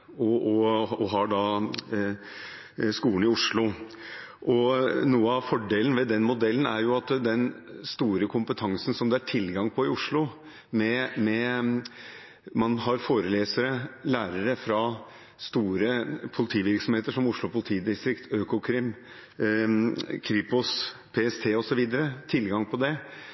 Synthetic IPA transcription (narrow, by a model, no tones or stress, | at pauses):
ɔɔɔɦɑɖɑ | skuːən̩ɪʊʂɭʊ | ʔɔnuːəɑʋfɔɖeːln̩ʋɛd̪ɛnmʊd̪ɛlːn̩æ̰ɾjʊɑt̪d̪ɛnst̪uːɾəkʰʊmpət̪ʰɑŋsn̩sɔmd̪ɛæʈʰɪlɡɑŋpʰɔɪʊʂɭʊ | mɛmɛ | mɑnɦɑɾfoːɾəleːsəɾəlæːɾəɾəfɾɑ | st̪uːɾəpʰʊlɪt̪ʰiːʋɪɾksɔmheːt̪əʂɔmʊʂɭʊpʰʊlɪt̪ʰiːd̪ɪst̪ɾɪkt̪ʰøːkʊkʰɾɪm | kʰɾiːpʊspʰeːɛst̪ʰeːɔsɔʋiːd̪əɾət̪ʰɪlɡɑŋpʰɔd̪ɛ